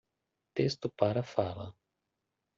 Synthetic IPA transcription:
t̪est̪ʊpaɾɐfalɐ̰

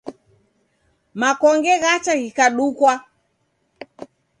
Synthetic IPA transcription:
makɔŋɡɛɣat͡ʃaɣikaɗukwa

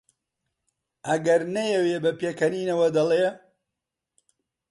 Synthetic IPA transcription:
ʔɐɡɐɾnɐjɛweːbɐpeːkɐniːnɐwɐd̪ɐlˠe

